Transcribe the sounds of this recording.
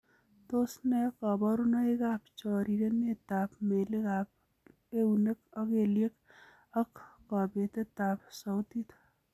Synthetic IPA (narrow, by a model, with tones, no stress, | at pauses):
t̪o˦snɛ˦kɔ˨bɔ˦ɾu˦na˦e˦ka˦p̚t͡ʃɔ˨ɾi˨ɾe˦ne˦t̪a˨pme˨le˦ɡap̚ | e˦une˦kɔ˦ke˨lje˦k | ɐ˦kːɔ˨be˨t̪e˦t̪a˨psɔ˨wt̪i˦t̪